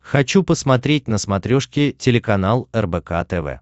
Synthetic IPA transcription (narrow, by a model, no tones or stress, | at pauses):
xɐt͡ɕupəsmɐt̪ɾʲet̚ʲnəsmɐt̪ɾʲoʂkʲɪtʲɪlʲɪkɐn̪alˠɛrbɛka̰t̪ɛvɛ̰